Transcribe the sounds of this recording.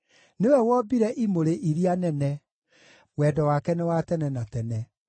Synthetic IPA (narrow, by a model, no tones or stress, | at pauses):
newɛwɔbiɾɛʔimoɾeʔiɾianɛnɛ | wɛːdɔwaːkɛnɛwatɛnɛnatɛnɛ